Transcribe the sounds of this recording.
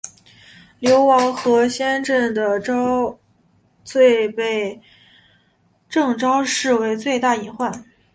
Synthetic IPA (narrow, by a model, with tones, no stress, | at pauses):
ljo˧˥ʊwɑ˧˥ŋxɤ˧˥ɕjɛ˥nʈ͡ʂə˥˩ŋd̪ə˩ʈ͡ʂ | t͡swe˥˧ɪpe˥˩ɪ | ʈ͡ʂɤ˥˩ŋʈ͡ʂɑ˥ʊʂɻ̩˥˩we˧˥ɪt͡swe˥˧ɪt̪a˥˩i˧˥ŋxwa˥˩n